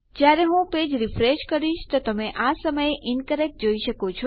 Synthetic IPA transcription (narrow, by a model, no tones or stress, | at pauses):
d͡ʒjaɾeɦũped͡ʒɾifɾeʃkəɾiʃt̪ot̪əmeʔasəməjeʔɪnkəɾek̚ʈd͡ʒoiʃəkot͡ʃʰo